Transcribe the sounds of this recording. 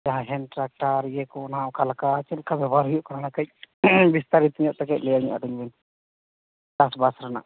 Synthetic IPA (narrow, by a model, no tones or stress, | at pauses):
d͡ʒaɦaɦɛnʈɾak̚ʈaɾjɛkɔnaɔkalakat͡ʃɛlkabɛbʱaɾɦujuʔkɔɾanakac̚bist̪aɾit̪iɲɔʔt̪ɛkɛclɛjaɲuʔa̰ɖiɲbɛn | d͡ʒasbasɾana̰ʔ